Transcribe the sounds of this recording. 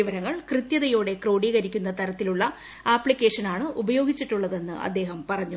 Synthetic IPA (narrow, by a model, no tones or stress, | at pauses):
iʋɐɾɐŋːɐɭkrɨt̪jɐðɐjo̞ːɽe̞kro̞ːɽiːɣɐɾikʲːunːɐt̪ɐɾɐt̪ːiluɭːɐ | aːpɭikʲːe̞ːʂɐnaːɳɨʔubɐjo̞ːɡit͡ɕːiʈːuɭːɐðe̞nːɨ̰ʔɐ̰d̪ːe̞ːɦɐmpɐrɐɲːu